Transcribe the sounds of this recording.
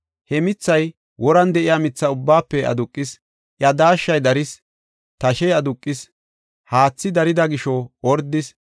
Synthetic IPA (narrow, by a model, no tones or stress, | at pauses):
hɛmɪt͡sːɐj | wʔɔɾɐnd̪ɛʔɪjaːmɪt͡sːɐʊbːaːpːɛʔɐ̰d̪ʊkʼːɪs | ʔjɐd̪aːʃːɐjd̪ɐɾɪs | t̪ɐʃɛjɐd̪ʊkʼːɪs | haːt͡sːɪd̪ɐɾɪd̪ɐɡɪʃɔɔɾd̪ːɪs